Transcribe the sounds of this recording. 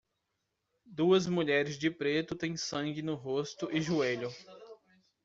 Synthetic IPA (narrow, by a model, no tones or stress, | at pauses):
d̪uɐzmuʎɛɾɪzd͡ʒɪpɾet̪ʊt̪ẽj̃sɐ̃ŋɡɪnʊɦost̪ʊʔɪʒueʎʊ